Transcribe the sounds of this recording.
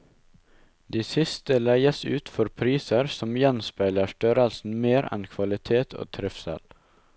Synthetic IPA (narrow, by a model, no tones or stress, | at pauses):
d̪iːsɪst̪əlæɪəsʉːt̪fɔɾpʰɾiːsəɾsɔmjɛnspæɪləʃʈœɾəlsn̩meːɾɛ̰nkʰʋɑlɪt̪ʰeːt̪ʰo̰ːt̪ʰɾɪfsɛ̰l